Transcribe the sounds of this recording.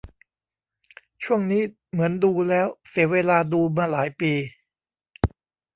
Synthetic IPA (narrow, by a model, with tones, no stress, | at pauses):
t͡ɕʰu˥˩əŋniː˦˥ | mɯ˩˦ənduː˧lɛː˦˥wsi˩˦weː˧laː˧duː˧maː˧laː˩˦jpiː˧